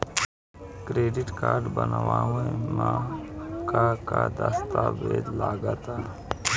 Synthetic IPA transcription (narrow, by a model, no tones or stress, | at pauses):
kɾeːɖɪʈkaːɾɖbənʋaːẽmã | kakad̪əst̪aːbeːd̪laːɡət̪aː